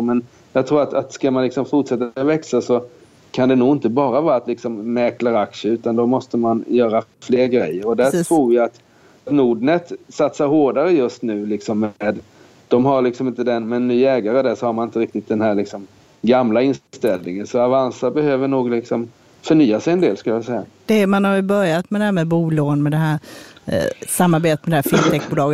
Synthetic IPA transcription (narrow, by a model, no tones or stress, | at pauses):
mɛn | jɑɡt̪ʰɾuːɾat̪ʰat̪skamanlɪksɔmfʊʈʂɛt̪ːavɛksasɔ | kʰand̪ɛnuːɡɪnt̪əbɑːɾavɑːɾat̪lɪksɔmːɛklaɾakʂəʉ̟ːt̪and̪ɔmɔst̪əmanjœːɾafleːɾɡɾɛjːəɾɔd̪ætʰɾuːɾjaat̪ | t̪nuːɖnət̪sat̪saɾɦoːɖaɾəjɵst̪nʉ̟ːlɪksɔmːeːd̪ | d̪̥ɔmɦaɾɭɪksɔmɪnt̪əd̪ɛnmɛnnːyːɛːɡaɾəd̪æʂɔhaɾmanɪnt̪əɾɪk̚t̪ɪt̪̚d̪ɛnhæːɾɭɪksɔm | ɡamlaɪnst̪ɛlnɪŋənsɔavansabɛhøːvəɳuːɡlɪksɔm | fœɳyːasɛjɛnd̪eːlskɵljasɛjːad̪̥ɛmanhaɾjɵbœɾjat̪mɛd̪ɛæːmɛbuːloːnmɛd̪ɛɦæːɾ | samːaɾbeːt̪ət̪mɛd̪ɛɦæːfɪnt̪ʰɛk̚buːlɑːɡə